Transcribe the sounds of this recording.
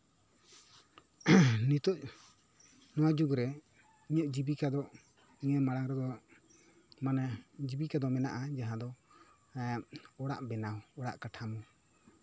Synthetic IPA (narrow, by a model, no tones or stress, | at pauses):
nit̪ɔʔ̚ | nɔwad͡ʒuɡɾɛ | iɲəʔd͡ʒibikad̪ɔʔ | iɲəmaɽaŋɾɛd̪ɔ | manad͡ʒibikad̪ɔmɛnaʔad͡ʒaɦãd̪ɔ | ɔɽa̰ʔbɛnaɔɔɽa̰ʔkaʈʰamɔ